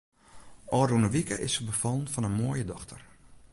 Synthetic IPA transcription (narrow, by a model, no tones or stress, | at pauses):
ʔɔːrunəʋikəʔɪsəbəfɔlˠənfɔnənmoːjədɔxtʰər